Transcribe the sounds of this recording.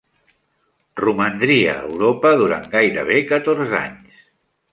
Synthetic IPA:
rumənd̪ɾiə̰ːwɾopəðuɾa̰ŋɡajɾəβ̞ekət̪orza̰ɲs

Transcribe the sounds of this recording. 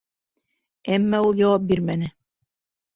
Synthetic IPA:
æmːæulˠjɑwɑp̚biɾmænɘ

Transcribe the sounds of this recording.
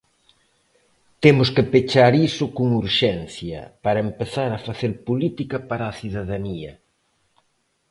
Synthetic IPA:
t̪emʊskepet͡ʃaɾisʊkoŋuɾʃɛnθjɐ̰paɾɐempeθaɾɐfaθeɾpolit̪ikɐpaɾaθiðaðaniɐ

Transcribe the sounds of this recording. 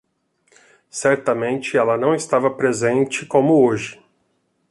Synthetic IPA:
sɛɾt̪ɐmẽnt͡ʃɪɛlɐnɐ̃w̃ɪst̪avɐpɾezẽnt͡ʃɪkõmʊoʒɪ

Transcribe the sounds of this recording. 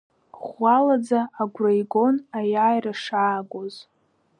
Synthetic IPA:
χʷalad͡zaːɡʷrajɡo̞najajraʂaːɡʷoz

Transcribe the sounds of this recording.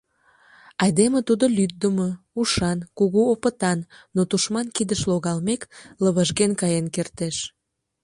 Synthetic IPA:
ɑjd̪emet̪ud̪olyt̪̚d̪əmo | uʃɑnkuɣuopət̪ɑnːot̪uʃmɑnkid̪əʃloɣɑlmekləβəʒɣenkɑjenkert̪eʃ

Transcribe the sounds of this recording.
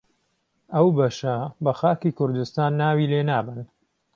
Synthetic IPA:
ɐwbɐʃɐbɐxaːkiːkʰʊɾd̪ɨst̪aːnːaːwiːleːnaːbɨn

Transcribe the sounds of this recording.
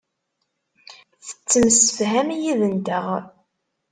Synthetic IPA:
θə̥t͡sːəmsə̥fɦæmijiðənd̪əʁ

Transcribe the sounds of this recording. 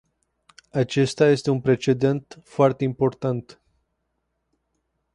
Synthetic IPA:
at͡ʃe̞st̪aje̞st̪e̞unpɾe̞t͡ʃe̞d̪e̞nt̪foart̪e̞impo̞rt̪ant̪

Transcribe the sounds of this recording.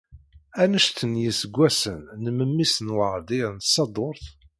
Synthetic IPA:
ænəʃθənjəsəɡʷːæsənːəməmːisənwəʁd̪iɾnt̪sɑd̪ˤoɾˤθ

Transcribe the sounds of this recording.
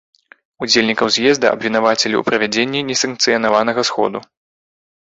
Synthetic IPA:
ud͡zʲelʲnʲikɐwzʲjɛzd̪ɐʔɐ̰bvʲinavat͡sʲelʲḭṵpɾɐvʲad͡zʲenʲːinʲɛsɐŋk̚t̪sɨjɐnavanɐɣɐsxɔ̰d̪u

